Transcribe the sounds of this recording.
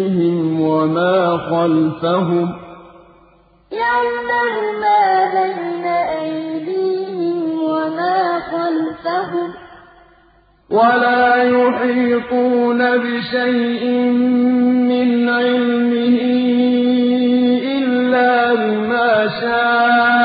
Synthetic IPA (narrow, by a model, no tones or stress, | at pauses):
ɦɪmwamaːxɑlfaɦʊm | jaʕdamʊmaːbajnaʔajjd̪iːhɪmwamaːxɑlfaɦʊm | wʔalaːjʊħiːtuːnabɪʃajʔɪmː | ɪnʕɪlmɪhɪ | ʔɪlːaːbɪmaːʃaː